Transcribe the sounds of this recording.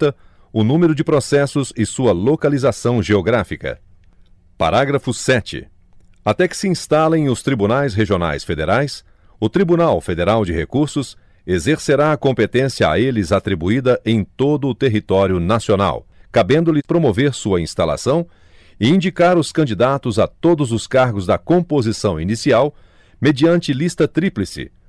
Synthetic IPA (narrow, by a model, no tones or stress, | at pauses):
t̪ɐ | ʊnũmeɾʊd͡ʒɪpɾosɛsʊzɪsuɐlokalizasɐ̃w̃ʒeoɡɾafikɐ̰ | pa̰ɾaɡɾɐfʊsɛt͡ʃɪ̰ | at̪ɛkɪ̥sɪĩst̪alẽj̃ʊst̪ɾibunajsɦeʒiona̰jsfed̪eɾajs | ʊt̪ɾibunawfed̪eɾawd͡ʒɪɦekuɾsʊs | ezeɾseɾaːkõmpet̪ẽsjɐa̰elɪzat̪ɾibuid̪ɐʔẽj̃t̪od̪ʊːt̪eɦit̪ɔɾjʊnasiona̰wkabẽnd̪ʊlɪpɾomoveɾsuɐĩst̪ala̰sɐ̃w̃ | ɪĩd͡ʒikaɾʊskɐ̃nd͡ʒid̪at̪ʊzat̪od̪ʊzʊskaɾɡʊzd̪ɐkõpozisɐ̃w̃inisiaw | med͡ʒiɐ̃nt͡ʃɪlist̪ɐt̪ɾiplɪsɪ̰